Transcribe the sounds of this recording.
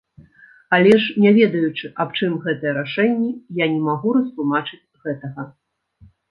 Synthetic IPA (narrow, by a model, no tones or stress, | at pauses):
alʲɛʂnʲavʲɛd̪ɐjut͡ʂɨʔapt͡ʂɨmɣɛt̪ɐjɛɾaʂɛnʲːɛjanʲɛmaɣuɾɐst̪lˠumat͡ʂɨt͡sʲɣɛt̪ɐɣɐ